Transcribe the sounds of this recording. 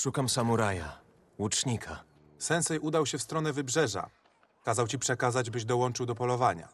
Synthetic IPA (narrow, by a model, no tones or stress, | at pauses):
ʂukamsamuɾaja̰ | wut͡ʂɲikʰa | sɛnsɛjʔud̪awɕɛfst̪ɾɔnɛvɘbʐɛʐa̰ | kazawt͡ɕipʂɛkazad͡ʑbɘʑd̪ɔwɔnt͡ʂɘwd̪ɔpɔlɔvaɲa̰